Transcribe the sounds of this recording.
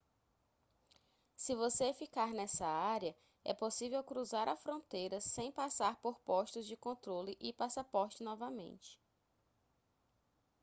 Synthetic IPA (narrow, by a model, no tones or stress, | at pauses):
sɪvosefikaɾnɛsɐaɾiɐ | ɛ̰posivewkɾuzaɾɐfɾõnt̪ejɾɐsẽj̃pasaɾpoɾpɔʃt̪ʊzd͡ʒɪkõnt̪ɾolɪʔɪpasapɔɾt͡ʃɪnɔvɐmḛ̃nt͡ʃɪ̥